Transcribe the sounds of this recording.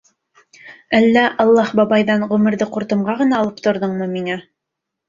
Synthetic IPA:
ælːæʔɑlˠːɑhbɑbɑjðɑɴʁʉmɘ̆ɾðɘquɾt̪ɤ̆mʁɑʁɤ̆nɑːlˠɤp̚t̪ŏɾðɤɴmɤmiŋæ

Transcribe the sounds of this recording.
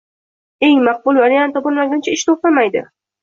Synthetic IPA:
eŋmɑq̚bʊlˠvaɾjant̪ʰɒbʊnmaɡʲant͡ʃʰaɪʃt̪ʰoq̚t̪amajd̪ɪ̰

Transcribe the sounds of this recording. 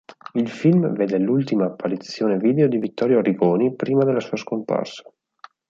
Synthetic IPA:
ilfilmveːd̪elːult̪imaːpːaɾit̪sːjoːneviːd̪eod̪ivit̪ːɔɾjoɾiɡoːnipɾiːmad̪elːasuːaskompa̰rsḁ

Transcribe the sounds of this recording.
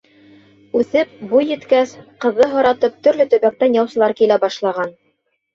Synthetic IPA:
ʉθɘp̚bujːɘ̆t̪kæsqɤ̆ðːɤɦŏɾɑt̪ɤp̚t̪ɵ̆ɾlɘt̪ɵ̆βæk̚t̪ænjɑwsɤ̆lˠɑɾkilæbɑʃlˠɑʁɑn

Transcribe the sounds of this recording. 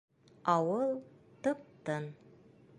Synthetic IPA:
ɑwɤlˠt̪ɤ̆p̚t̪ɤn

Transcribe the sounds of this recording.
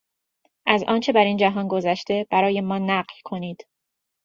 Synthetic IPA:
ʔæzɒ̰ːnt͡ʃʰe̞bæɾiːnd͡ʒæɦɒːnɡo̞zæʃt̪e̞b̥æɾɒːje̞mɒːnæɢlkʰo̞niːd̪̥

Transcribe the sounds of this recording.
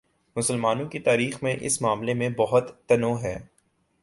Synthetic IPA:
mʊsəlmaːnõkit̪aːɾiːxmẽʔɪ̰smaːmlemẽbɐɦʊt̪ːɐnoɦɛː

